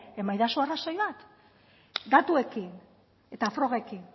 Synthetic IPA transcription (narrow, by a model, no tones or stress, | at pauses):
e̞majðaso̞arasojβat̪ | d̪at̪ue̞kin | e̞t̪afɾo̞ɣeekin